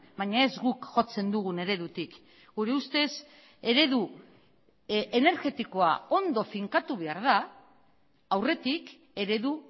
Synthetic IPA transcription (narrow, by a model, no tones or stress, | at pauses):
baɲae̞zɡukʝo̞t͡se̞nd̪uɣ̞une̞ɾe̞ðut̪ik | ɡ̥uɾe̞ust̪e̞s | e̞ɾe̞ðu | e̞ne̞ɾɣe̞t̪iko̞a̰o̞nd̪o̞fiŋkat̪uβ̞e̞aɾða | wre̞t̪ik | e̞ɾe̞ðu